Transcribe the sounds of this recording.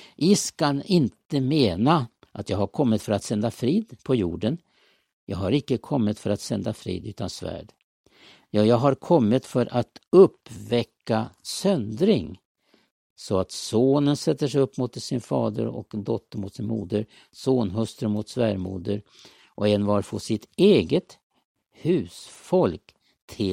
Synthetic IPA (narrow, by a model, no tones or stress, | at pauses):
ʔɪskanɪnt̪əmeːna | ʔat̪jɑːɡhaɾkʰɔmːɪt̪fœɾat̪sɛnd̪afɾiːd̪pʰɔjuːɖən | jɑːɡɦaɾɪkːəkʰɔmːɪt̪fœɾat̪sɛnd̪afɾḭːd̪ʉ̟ːt̪ansvæ̰ːɖ | jɑːjɑːɡɦaɾkʰɔmːɪt̪fœɾʔat̪ɵpːvɛkːasœnd̪ɾɪŋ | sɔat̪soːnənsɛt̪ːəʂɛɵpːmʊt̪sɪnfɑːd̪ə̰ɾɔ̰kd̪ɔt̪ːəɾmʊt̪sɪnmṵːd̪əɾ | soːnɦɵst̪ɾəɾmʊt̪svæːɾmuːd̪əɾ | ʔɔɛnvɑɾfɔsɪt̪eːɡət̪ | hʉ̟ːsfɔlk | t̪ʰɪ